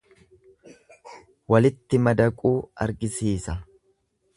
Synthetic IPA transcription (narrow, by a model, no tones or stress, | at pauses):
wɐlɪt̪ːɪmɐd̪ɐkʼuːɐ̰ɾɡɪsiːsɐ